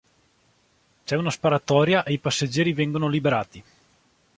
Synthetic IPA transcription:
t͡ʃɛunaspaɾat̪ɔːɾjaʔeijpasːed͡ʒːɛːɾivɛŋɡonolibeɾaːt̪i

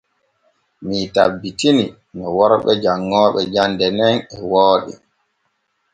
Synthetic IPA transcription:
mitabːitini | nɔwɔɾɓɛd͡ʒaŋːɔːɓɛd͡ʒandɛnɛnɛwoːɗḭ

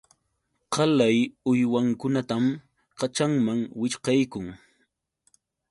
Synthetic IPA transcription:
qɑlajʊjwaŋkʊnat̪am | qat͡ʃaŋmaŋwɪʃqɑjkʊŋ

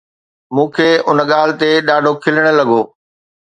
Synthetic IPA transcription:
mũːkʰeːʊnəɠaːlɪ̆t̪eɗaːɖʱokʰɪləɽ̃ə̆lɐɠʱoː

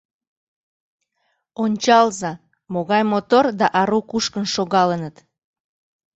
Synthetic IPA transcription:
onʲt͡ɕɑlzɑ | moɣɑjmot̪ord̪ɑʔɑɾukuʃkənʃoɣɑlənət̪

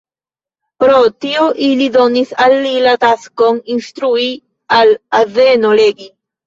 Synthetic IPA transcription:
pɾotioʔilidonisalːilataskoninst̪ɾui | alazenoleɡi

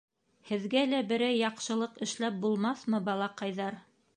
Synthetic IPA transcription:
hɘ̆ðɡælæbɘ̆ɾæjːɑqʃɤ̆lˠɤqɘ̆ʃlæp̚bulˠmɑθmɤbɑlˠɑqɑjðɑɾ

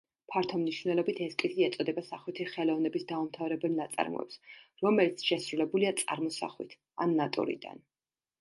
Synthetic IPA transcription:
pʰaɾt̪ʰɔmniʃvnɛlˠɔbit̪ʰɛskʼiziɛt̪sʼɔd̪ɛbasaχwit̪ʰiχɛlˠɔvnɛbisd̪aumt̪ʰavɾɛbɛlˠnat̪sʼa̰ɾmɔ̰ɛ̰psɾɔmɛlit̪sʰʃɛsɾulɛbuliat̪sʼa̰ɾmɔsa̰χwḭt̪ʰ | a̰nːat̪ʼṵɾḭd̪a̰n

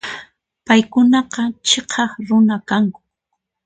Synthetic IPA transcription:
pajkʊnɑqɑt͡ʃeqʰɑχɾʊnakaŋkʊ̥

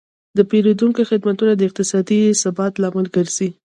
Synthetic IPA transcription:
d̪əpeɾod̪uŋkoxɪd̪mat̪unad̪əɪq̚t̪ɪsɑd̪isabɑt̪lɑmɪlɡəɾz̥i

